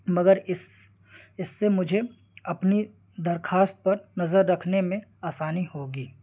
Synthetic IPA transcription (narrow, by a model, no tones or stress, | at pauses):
mɐɡəɾɪs | ɪsːemʊd͡ʒʱe | ɐpni | d̪ɐɾxʰaːst̪̚pɐɾnɐzəɾːɐkʰnemẽaːsaːnihoːɡiː